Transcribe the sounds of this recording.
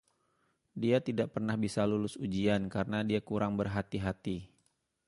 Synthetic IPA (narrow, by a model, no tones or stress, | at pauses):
diat̪idaʔpərnahbisalulʊsud͡ʒiankaɾənadiakuɾaŋbərɦat̪iɦat̪i